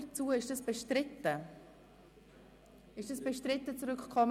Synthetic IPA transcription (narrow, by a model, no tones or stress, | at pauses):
t͡suːəɪʃd̥ɑsb̥ɛʃtɾɪtːə | ɪʃd̥ɑsb̥ɛʃtɾɪtːət͡suɾʏkkʰɔm